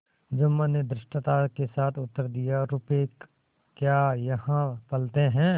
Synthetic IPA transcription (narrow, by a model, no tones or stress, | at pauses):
d͡ʒʊmːəned̪ɾɪʃʈt̪akesaːt̪ʰʊt̪ːəɾd̪ijaɾʊpeːk | kjaːjɐhãpɐlt̪eɦɛ̃ː